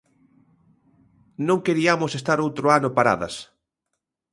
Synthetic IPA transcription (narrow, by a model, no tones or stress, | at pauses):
nõŋkeɾiamosest̪aɾowt̪ɾoanopaɾa̰ðɐ̰s